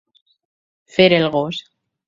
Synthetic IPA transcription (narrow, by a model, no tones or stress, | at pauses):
feɾelɣos